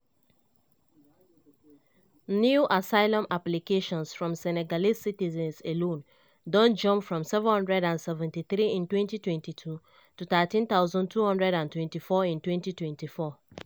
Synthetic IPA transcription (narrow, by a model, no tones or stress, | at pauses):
njuʔasaɪlɔ̃maplikeʃɔ̃nsfɹɔ̃msɛnɛɡalissitizɛ̃nselõn | dɔ̃nd͡ʒɔ̃mpfɹɔ̃msɛvɛ̃nhɔ̃ndɹɛdãnsɛvɛ̃ntiθɾiĩntwɛ̃ntitwɛ̃ntitʰu | tuθatĩnθaʊzɔ̃ndtʰuhɔ̃ndɹɛdãntwɛ̃ntifɔĩntwɛ̃ntitwɛ̃ntifɔ